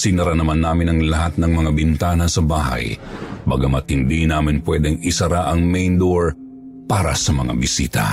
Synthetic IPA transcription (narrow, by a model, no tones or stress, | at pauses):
sɪnɐɾanɐmanːaːmɪnɐŋlɐɦat̪̚nɐŋmɐŋabɪnt̪aːnɐsɐbaːɦɐ̰jbɐɡɐmɐt̪̚hɪnd̪inaːmɪnpwɛd̪ɛŋɪsɐɾaʔɐŋmɛjnd̪oɹ | paːɾɐ̰sɐmɐŋa̰bɪsḭːt̪ɐ̰